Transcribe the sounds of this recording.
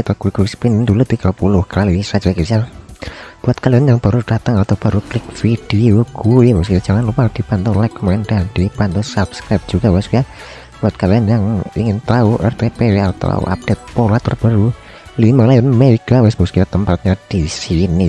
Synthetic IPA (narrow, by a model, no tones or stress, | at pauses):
it̪aɡ̥uiɡ̥uspindulud̪iɡapulʊhkaaliisḁd͡ʒ̥aɡisa | b̥uat̪̚kalianjaŋb̥a̤ɾud̥at̪əŋat̪awub̥a̤ɾuklɪk̚fid̥ioɡ̥uiwɛskujad̥d͡ʒ̥aŋanlupad̪̥ipant̪ɔlakmaŋɛnd̥ad̥ipant̪ɔsabskɾap̚dd͡ʒ̥uɡawɪskuja | buat̪̚kalianjaŋḭŋɪnt̪auʔɛrt̪epeweat̪a̰w̰a̰p̚d̥et̪̚polat̪a̰ɾb̥aɾu | limalajɔnmeɡ̥awɪsbaskujat̪əmpat̪̚ɲad̥isini